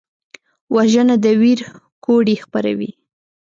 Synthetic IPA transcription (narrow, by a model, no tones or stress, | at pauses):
wʔaʒənad̪əwiɾ | koɽixpaɾa̰wḭ